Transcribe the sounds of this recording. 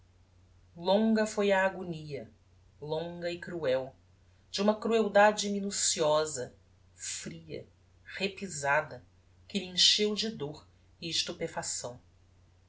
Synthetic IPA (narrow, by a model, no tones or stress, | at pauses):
lõŋɡɐfojɐːɡoniɐ | lõŋɡɐɪkɾuɛw | d͡ʒɪũmɐkɾuewd̪ad͡ʒɪminusiɔzɐ | fɾiɐ̰ | hepizad̪ɐ | kɪlĩʃewd͡ʒɪd̪oɾ | ɪɪʃt̪upefasɐ̃w̃